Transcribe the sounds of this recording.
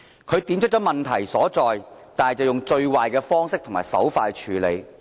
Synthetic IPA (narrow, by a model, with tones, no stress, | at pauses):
kʰɵ˨˧ɥt̪i˨˧˥mt͡ʃʰt̚t͡sɔ˨˥mɐ˨˩nt̪ʰɐ˨˩jsɔː˨˥t͡sɔː˨jt̪aː˨n˨jt͡sɐ˨wjʊ˨ŋt͡ʃɵ˧ɥwaː˨jkɛː˧fɔː˥ŋsɪ˥k̚t̪ʰʊ˨˩ŋmaː˨˩jsɐ̰˨˥wfaː˧jt͡ʃʰyː˨˥le˨˧j